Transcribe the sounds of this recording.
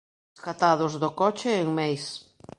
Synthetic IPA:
eskat̪að̞ʊzðʊkɔt͡ʃɪːŋmejs

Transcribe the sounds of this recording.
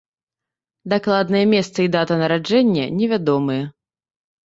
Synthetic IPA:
d̪aklˠad̪nɐjɛmʲɛst̪sɨid̪at̪ɐnɐɾad͡ʐɛnʲːɐnʲɛvʲad̪ɔmɨjɛ

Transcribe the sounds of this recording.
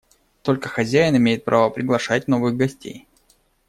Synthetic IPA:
t̪o̞lʲkəxɐzʲæɪnɪmʲejɪt̪̚pɾʔavəpɾʲɪɡlˠɐʂatʲno̞vɨɣɡɐsʲtʲḛj

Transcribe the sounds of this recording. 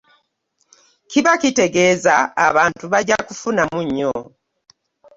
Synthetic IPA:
kiβakite̞ɡe̞ːza̰ːβaːntuβaɟakufunamuɲːo

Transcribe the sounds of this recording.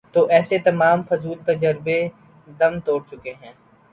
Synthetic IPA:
t̪oːʔɛːset̪ɐmaːmfʊzuːlt̪ɐd͡ʒəɾbe | d̪ɐmt̪oːɽt͡ʃʊkeɦɛ̃ː

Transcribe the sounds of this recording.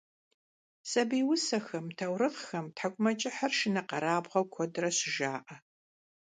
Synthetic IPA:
sʼɐbiːwʊsɐxɐmtʰɐwɾɨʁxɐmtʰħakʷʼʊmɐt͡ʃʼɪħɐrʃɪnɐqɐɾaːbʁɐwkʷʰɔdrɐɕɪʒaːʔɐ

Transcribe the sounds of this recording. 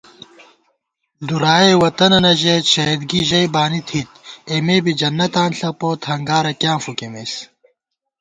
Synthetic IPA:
ld̪uɾaːewɐt̪ɐnɐnɐʑeɕɐed̪ɡiʑɐjbaːnit̪ʰit̪emeːbid͡ʑɐnːɐt̪aːnɬɐpoːt̪hɐŋɡaːɾɐkjãːmfukemes

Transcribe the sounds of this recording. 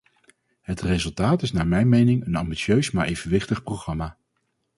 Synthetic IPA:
ɦətrezɵlˠtaːtɪsnaːɹmɛjnmejnɪŋənɑmbiʃøɥsmaːɹʔejvənʋɪχtəχprowχrɑmaː

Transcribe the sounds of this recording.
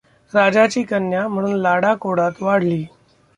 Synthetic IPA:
ɾad͡ʑat͡ɕiːkənjam̤əɽuːnlaɽakoɽat̪ʋaɽ̤liː

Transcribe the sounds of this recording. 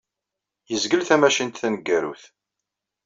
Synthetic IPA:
jəzɡəlθæmæʃint̪θænəɡːæɾṵθ

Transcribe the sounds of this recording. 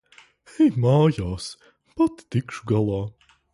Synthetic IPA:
ɛjmɑːjaːs | pat̪ːikʃuɡalˠɑː

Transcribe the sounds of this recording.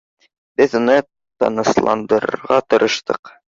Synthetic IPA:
b̥ɘðunɤ | t̪ɑ̰nɤ̆slˠɑ̰nd̪ɤ̆ɾʁɑt̪ɤ̆ɾʔɤ̆ʃt̪ɤq

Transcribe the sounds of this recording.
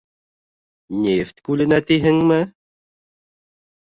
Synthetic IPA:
nʲeft̪ʲkʉlɘ̆næt̪iɦɘ̆ŋmɘ

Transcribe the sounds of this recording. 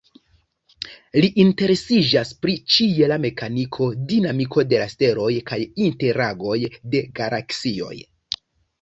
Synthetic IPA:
liʔinte̞ɾe̞sid͡ʒaspɾit͡ʃie̞lame̞kanikʰo̞dinamikʰo̞de̞laste̞ɾo̞jkajinte̞ɾaɡo̞jde̞ɡalʔaksio̞̰j

